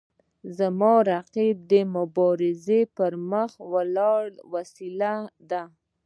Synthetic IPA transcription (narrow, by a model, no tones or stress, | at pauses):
zamɑɾaqib̚d̪əmʊbɑɾɪzepəɾməxwəlɑɽwasilad̪a